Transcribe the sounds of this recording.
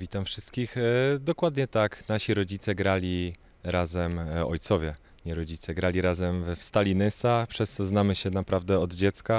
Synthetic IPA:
vʲit̪amfʂɘst̪̚kʲixd̪ɔkwad̪ɲɛt̪aknaɕiɾɔd͡ʑit̪sɛɡɾalʲi | ɾazɛmɔ̰jt̪sɔvʲjɛ | ɲɛɾɔd͡ʑit̪sɛɡɾalʲiɾazɛmfst̪alʲinɘsapʂɛst̪sɔznamɘɕɛnapɾavd̪ɛɔd̪d͡ʑɛt̪ska

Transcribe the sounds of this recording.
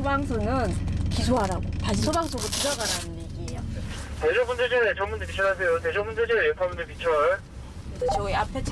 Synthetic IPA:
obaŋsʰonɯnkis̬ʰoɦaɾaɡotaɕʰisʰobaŋsʰoɡotiɡaɡaɾanɯniɡija̰k͈̚ʰeted͡ʑobund͡ʑed͡ʑet͡ɕʌmːundɯɭpit͡ɕʰʌasʰe̞joted͡ʑʰʌmbund͡ʑed͡ʑeɭpʰʌmundɯɭpit͡ɕʰʌɭ | et͡ɕʰoiapʰet͡ɕʰ

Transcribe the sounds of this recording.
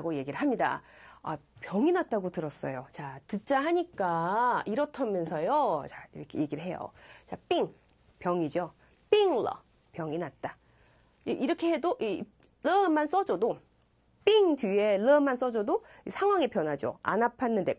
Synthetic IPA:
ɡoje̞ɡiɾɯɭɦamɲida̰apjʌŋinat̚t͈aɡotɯɾʌs͈ʌjot͡ɕatɯt͡ɕ͈aɦaɲik͈aiɾʌtʰamjʌnsʰʌjot͡ɕaiɾʌkʰḛje̞ɡiɾɯɭɦe̞jo̰t͡ɕap͈iŋ | pjʌŋid͡ʑo | p͈iŋlʌ̰ | pjʌŋinat̚t͈a | iʔiɾʌkʰe̞he̞doʔi | lʌmans͈ʌd͡ʑʌdo | p͈iŋdɥie̞lʌmans͈ʌd͡ʑodo | isʰaŋɦwaŋepjʌnɦad͡ʑo̰a̰napʰanːɯnde̞

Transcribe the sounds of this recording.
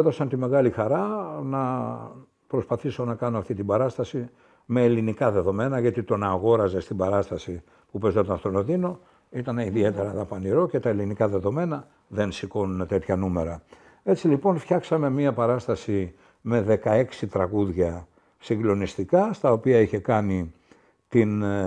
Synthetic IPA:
ðo̞sɐnt̪ime̞ɣɐlixɐɾɐnɐ | pɾo̞spɐθiso̞nɐkɐnoɐft̪it̪ibɐɾɐst̪ɐsi | me̞ːlinikɐðe̞ðo̞me̞nɐʝɐt̪it̪o̞nɐɣo̞ɾɐze̞st̪ibɐɾɐst̪ɐsi | pupe̞zot̪ɐnft̪onoðino̞ | it̪ɐneiðie̞t̪e̞ɾɐðɐpɐniɾo̞ce̞t̪ɐe̞linikɐðe̞ðo̞me̞nɐ | ðe̞nsiko̞nune̞t̪e̞t̪çɐnume̞ɾɐ | e̞t͡silipo̞nfçɐksɐme̞miɐpɐɾɐst̪ɐsi | me̞ðe̞kɐe̞ksit̪ɾɐɣuðʝɐ | siŋɡlo̞nist̪ikɐst̪ɐo̞piɐiçe̞kɐni | t̪in

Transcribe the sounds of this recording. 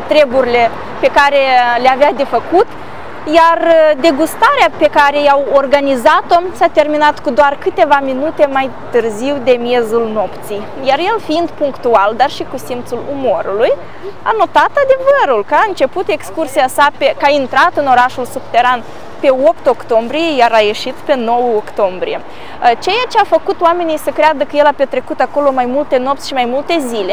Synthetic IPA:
t̪ɾe̞buɾile̞ | pe̞kaɾe̞leavead̪e̞fəkut̪ | jard̪e̞ɡust̪aɾeape̞kaɾe̞jawo̞rɡanizat̪o̞sat̪e̞rminat̪kud̪oarkɨt̪e̞vaminut̪e̞majt̪ɨrziwd̪e̞mje̞zulno̞pt̪sij | jarje̞lfiind̪puŋkt̪uald̪arʃikusimt̪sulumo̞ɾuluj | a̰no̞t̪at̪ad̪e̞vəɾulkəaɨnt͡ʃe̞put̪e̞kskursiasapekaint̪ɾat̪ɨno̞ɾaʃulsub̚t̪e̞ɾan | pe̞o̞pt̪o̞kt̪o̞mbɾije̞jaɾaje̞ʃit̪pe̞no̞wəokt̪o̞mbɾije̞ | ət͡ʃe̞jat͡ʃe̞afəkut̪oame̞nijsəkɾead̪əkəje̞lape̞t̪ɾe̞kut̪ako̞lo̞majmult̪e̞no̞p̚t̪ʲʃimajmult̪e̞zile̞

